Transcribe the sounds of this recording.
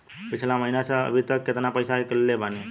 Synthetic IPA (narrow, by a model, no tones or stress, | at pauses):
pit͡ʃʰlaməɦinasə̃ə̰bʱit̪əkːet̪napəjsaɦekəlːebʱani